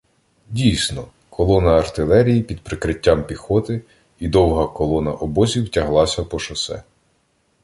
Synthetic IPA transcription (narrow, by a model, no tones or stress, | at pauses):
dʲijsʲnɔ | kʰɔlˠɔnɐːrt̪ɪlˠɛɾʲijipʲid̪̚pɾɪkɾɪtʲːampʲixɔt̪ɪ | id̪ɔwɦɐkɔlˠɔnɐʔɔbɔzʲiwtʲɐɦlˠɑsʲɐpɔʃɐsɛ̰